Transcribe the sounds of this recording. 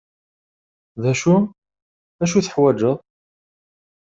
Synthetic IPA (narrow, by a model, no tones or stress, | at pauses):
ðæʃu | æʃ̬uθəħwæd͡ʒəʁ